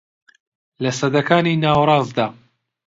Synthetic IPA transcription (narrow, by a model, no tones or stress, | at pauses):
lɐsɐd̪ɐkaːniːnaːwɾˤɑːzd̪aː